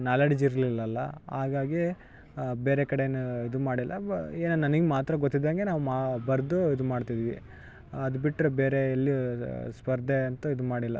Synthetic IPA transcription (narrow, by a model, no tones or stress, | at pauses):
naːleɽid͡ʒiɾlilːɐlːɐ̰ɦaːɡaːɡi | beːɾekɐɽenuid̪umaːɽilːɐ̰eːnɐnɐnɐɡemaːt̪ɾɐɡot̪ːid̪ːaŋɡe̞naːʋumabɐɾd̪uid̪umaːɖt̪id̪iːʋi | ɐd̪ubiʈːɾebeːɾeːlːispɐɾd̪ʱeɐnt̪uid̪umaːɽilːɐ̰